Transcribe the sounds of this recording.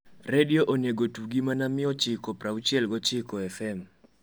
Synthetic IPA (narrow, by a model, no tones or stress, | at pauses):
redioʔoneɡotuɡimanamɪɔt͡ʃɪkɔpɾaut͡ʃjɛlɡot͡ʃɪkɔɛfɛm